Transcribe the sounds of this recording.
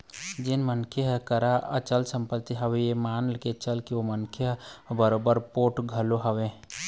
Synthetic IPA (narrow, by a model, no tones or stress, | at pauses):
d͡ʒɪnmənkʰəɦkəɾaʔə̰t͡ʃəlsə̃mpət̪ːiɦəʋejemaːnlket͡ʃəlkiomənkʰjəɦbəɾoːbəɾpoːʈɡʱəloɦəʋẽ